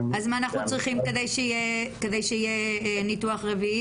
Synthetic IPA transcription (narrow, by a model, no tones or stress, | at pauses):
azmaanaχnut͡sʁiχimked̪ejʃeijeked̪ejʃeijenit̪uaχʁevii